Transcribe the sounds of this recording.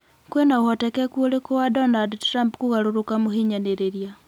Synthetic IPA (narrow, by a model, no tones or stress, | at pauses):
kwɛnaohɔtɛkɛkwolekowadɔnadɾampkuɣaɾoɾokamoɦiɲaneɾeɾja